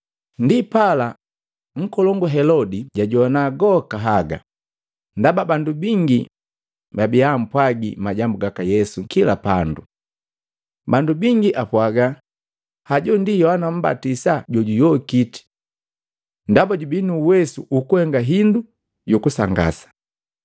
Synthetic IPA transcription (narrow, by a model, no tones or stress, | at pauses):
ndipala | ŋ̩kɔlɔŋɡuɦɛlɔdiɟaɟɔanaɡɔkaɦaɡa̰ | ndababandubiŋɡi | babiam̩pwaɡḭmaɟambuɡakajɛsukila̰pandu | bandubiŋɡiʔapwaɡa | haɟɔndijɔanam̩ba̰tisaɟɔɟujɔkiti̥ | ndabaɟubinuːwɛsuʔukuhɛŋɡaɦindu | jukusaŋɡa̰sḁ